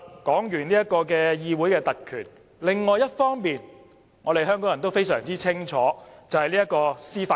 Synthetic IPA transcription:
kɔː˨˥ŋjyː˨˩nliː˥jɐ˥t̚kɔː˧k̬ɛː˧jiː˧wu˨˥jkɛː˧t̪ɐ˨kkʰy̰ː˨˩n | lɪ˨ŋːɔː˨jɐ˥t̚fɔː˥ŋpiː˨n | ŋɔː˨˧ɾe˨jɦœː˥ŋkɔː˨˥jɐ˨˩nt̪o˥wfe˥jsœ̰ː˨˩ŋt͡siː˥t͡sʰɪ˥ŋt͡ʃʰɔː˨˥t͡sɐ˨whɐ˨jliː˥jɐ˥kɔː˧siː˥faː˧

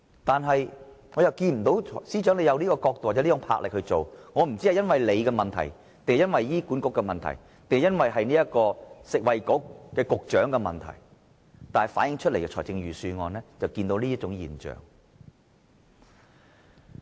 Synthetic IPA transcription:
t̪aː˨nɦɐ˨j | ŋɔ˨˧jɐ˨wkiː˧nm̩˨˩t̪o˨˥wʰɔ˨˩siː˥t͡ʃœː˨˥ŋle˧jɐ˨˧wliː˥kɔː˧kɔː˧k̚t̪o˨wa˨˩ɛ˨˧˥iː˥ʊ˧˥ŋpʰa̰˧k̚lɪ˨k̚hɵ˧ɥt͡so˨wŋɔː˨˧m̩˨˩t͡si˥hjɐ˥nwɐ˨jle˨˧jkɛ˧mɐ˨nt̪ʰɐ̰˨˩j | t̪e˨ŋhjɐ˥nwɐ˨jjiː˥ku˨˥nkʊ˥kːɛ˧mɐ˨nt̪ʰɐ̰˨˩j | t̪e˨ŋhjɐ˥nwɐ˨jɦɐ˨jniː˥jɐ˥kɔː˧sɪ˨k̚wɐ˨jkʊ˨˥k̚ːɛː˧kʊ˨k̚t͡ʃœː˨˥ŋkɛ˧mɐ̰˨nt̪ʰɐ̰˨˩j | t̪aː˨nhɐ˨jfaː˨˥njɪ˧ŋt͡ʃʰɵ˥t̚le˨jkɛ˧t͡ʃʰɔː˨˩jt͡sɪ˧ŋjyː˨syː˧ŋɔː˨˧nɛː˥t͡sɐ˨wkiː˧nt̪o˧˥wliː˥ɐ˥t͡ʃʊ˨˥ŋjḭː˨˩nt͡ʃœ̰ː˨˩ŋ

